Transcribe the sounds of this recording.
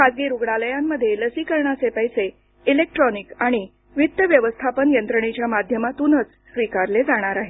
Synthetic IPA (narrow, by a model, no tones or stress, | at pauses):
kad͡zɡiɾuɡɽaləjamːəd̪ʱjeləsikəɾɳat͡sepəjse | ilek̚ʈɾɔnikaɽ̃i | ʋit̪ːəʋjəʋəst̪ʰapənjənt̪ɾəɳ̃it͡ɕjamad̪ʱjəmat̪unət͡s | sʋikaɾled͡zaɽ̃aɾaɦe